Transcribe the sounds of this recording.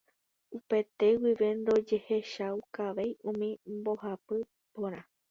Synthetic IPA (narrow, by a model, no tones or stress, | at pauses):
upe̞t̪e̞wiʋe̞nɾo̞d͡ʒe̞heʃawkaʋe̞jũmĩmbo̞hapɨ | põɾ̃ã